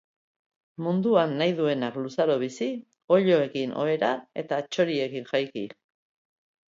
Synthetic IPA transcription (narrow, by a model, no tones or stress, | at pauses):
mund̪uanːajðue̞naklusaɾo̞β̞isi | o̞ʎo̞e̞kinʔo̞̰e̞ɾae̞t̪at͡ʃo̞ɾie̞kiŋʝajki